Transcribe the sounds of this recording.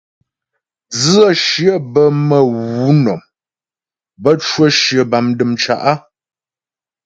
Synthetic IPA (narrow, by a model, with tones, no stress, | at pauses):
z̩˦ə˦˨ʃjə˦bə˦mə˨wu˨˦nɔ˨m | bə˦t͡ʃwə˦ʃjə˨ba˨mdɨ˨mt͡ʃa̰˨ʔa˦